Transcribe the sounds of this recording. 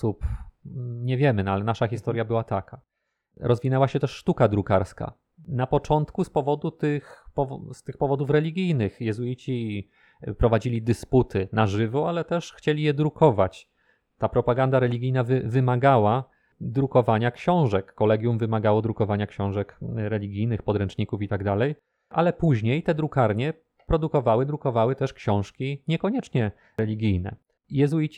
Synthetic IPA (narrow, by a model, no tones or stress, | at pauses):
sup | ɲɛvʲjɛmɘnalɛnaʂaxʲist̪ɔɾjabɘwat̪aka | ɾʔɔzvʲinɛwaɕɛt̪ɛʂʂt̪ukad̪ɾukaɾska̰ | napɔt͡ʂɔnt̪kuspɔvɔd̪ut̪ɘxpɔvɔst̪ɘxpɔvɔd̪ufɾɛlʲiɡʲijnɘxjɛzujit͡ɕi | pɾɔvad͡ʑilʲid̪ɘsput̪ɘnaʐɘvɔalɛt̪ɛʂxt͡ɕelʲijɛd̪ɾukɔvat͡ɕ | t̪apɾɔpaɡand̪aɾɛlʲiɡʲijnavɘvɘmaɡawa | d̪ɾukɔvaɲakɕɔ̃w̃ʐɛkːɔlɛɡʲjumvɘmaɡawɔd̪ɾukɔvaɲakɕɔ̃w̃ʐɛkɾɛlʲiɡʲijnɘxpɔd̪ɾɛnt͡ʂɲikufit̪aɡd̪alɛj | ʔa̰lɛpuʑɲejt̪ɛd̪ɾukaɾɲɛ | pɾɔd̪ukɔvawɘd̪ɾukɔvawɘt̪ɛʂkɕɔ̃w̃ʂkʲiɲɛkɔɲɛt͡ʂɲɛ | ɾɛlʲiɡʲijnɛ̰ | jɛzujit͡ɕ